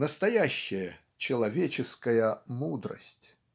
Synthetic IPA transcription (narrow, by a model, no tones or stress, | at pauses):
nəst̪ɐjaɕːɪjə | t͡ɕɪlˠɐvʲet͡ɕɪskəjəmud̪ɾə̰sʲtʲ